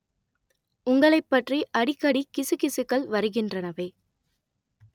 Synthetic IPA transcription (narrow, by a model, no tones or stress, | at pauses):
ʊŋɡɐɭɐɪpːɐʈriʔɐɽɪkːɐɽikɪsɯkɪsɯkːɐɭʋɐɾɯɣɪndrɐnɐʋɐɪ